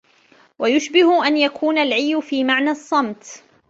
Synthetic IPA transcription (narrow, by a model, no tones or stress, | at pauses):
wajʊʃbɪhʊʔanjakʰuːnalʕijːʊfiːmaʕnasˤːɑmt̪